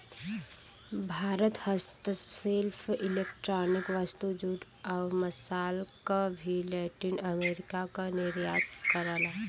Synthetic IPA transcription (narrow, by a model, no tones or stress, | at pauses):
bʱaːɾət̪həst̪selfʰɪleːkʈɾaːnɪkʋast̪ud͡ʒuːd̪ | aːməsaːlkabʱilɛːʈinəmeːɾɪkakanɪɾjaːt̪kəɾaːlaː